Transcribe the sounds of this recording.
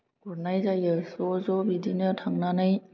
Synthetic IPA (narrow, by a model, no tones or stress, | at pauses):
uɾnajzajɯsozɔbidinɯtʰaŋnanɯj